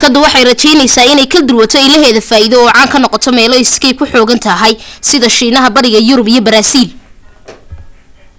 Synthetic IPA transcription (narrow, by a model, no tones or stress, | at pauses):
kʰɐd̪ʊwɑħɑjrɐt͡ʃɛjnɛjsaːɪnɛjkʰɐd̪ɪrwɐt̪ʰɔɪlɐɦɛːðɐfaːɪðɔɔːʕɑːŋkʰɐnːɔqɔt̪ʰɔmɛːlɔɪskɛjkʰʊħɔːɣɐnt̪ʰɐɦɛjsɪðɐʃiːnɐɦɐbɐɽɪɣɐjʊɾʊbijɔbɐɾaːsiːl